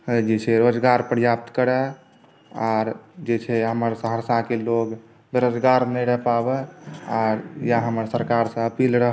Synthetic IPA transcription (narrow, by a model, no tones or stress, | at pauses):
d͡ʒet͡ʃʰɛɾod͡ʒɡaɾpɾjap̚t̪kəɾɛ | aɾd͡ʒet͡ʃʰɛɦəməɾsəɦəsakeloɡ | beɾod͡ʒɡaɾnəɾəpabɛaɾjaɦəməɾsəɾkaɾsə̃əpilɾəɦ